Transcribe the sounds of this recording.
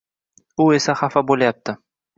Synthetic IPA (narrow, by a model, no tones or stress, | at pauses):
ʊe̞saχafabolajap̚t̪ʰɪ